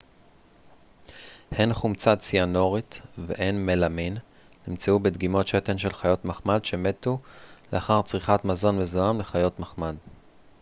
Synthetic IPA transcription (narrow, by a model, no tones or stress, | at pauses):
henχumt͡sat͡siano̞ʁitvḛʔenmelamin | nimt͡seubed̪ɡimo̞tʃetenʃe̞lχajo̞tmaχmadʃe̞me̞tuleaχaʁt͡sʁiχatmazo̞nmezoamleχajo̞tmaχmad